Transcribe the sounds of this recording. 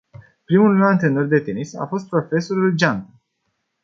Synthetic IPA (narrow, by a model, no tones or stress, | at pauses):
pɾimulnant̪ɾeno̞rd̪e̞t̪enisa̰fo̞st̪̚pɾo̞fe̞so̞ɾuld͡ʒant̪ə